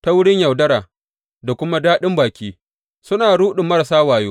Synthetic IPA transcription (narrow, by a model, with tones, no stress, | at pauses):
ta˦wʊ˦ɽɪ˦ɲja˨wdɐ˦ɾaː˨ | da˨kʷʊ˦ma˦daː˦ɗɪ˦mbaː˨kʲiː˦ | sʊ˦naː˨ɽuː˦ɗʊ˨mːɐ˦ɽsaː˦waː˨joː˦